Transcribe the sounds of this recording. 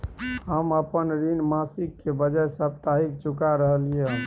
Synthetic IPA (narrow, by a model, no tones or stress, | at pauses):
ɦəməpənɾinmasikkːebəd͡ʒajsəpt̪aɦik̚t͡ʃukaɾəɦəlije